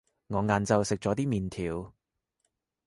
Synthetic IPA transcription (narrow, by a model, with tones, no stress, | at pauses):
ŋɔː˨˧ŋaː˨˧nt͡sɐ˨˧wsɪ˨k̚t͡sɔː˨˥t̪iː˥miː˨nt̪ʰiː˨˧w